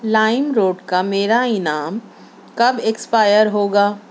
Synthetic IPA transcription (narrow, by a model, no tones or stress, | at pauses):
laːɪmɾoːɖkameːɾaɪnaːm | kɐbekspaːjəɾɦoːɡaː